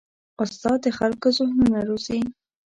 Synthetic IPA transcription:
ʊst̪ɑd̪əxalkozʊhnunaɾozi

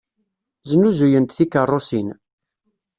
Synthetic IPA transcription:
zənːuzujənt̪θikərˤːosin

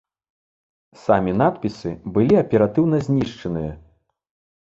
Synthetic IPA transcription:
samʲinat̪pʲisɨbɨlʲiɐpʲɛɾat̪ɨwn̪ɐzʲnʲiʂt͡ʂɐnɨjɐ̰

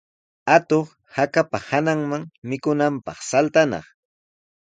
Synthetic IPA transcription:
at̪oχ | hakapahanaŋmaŋmɪkʊnampɑ̰χsalt̪anɑ̰χ

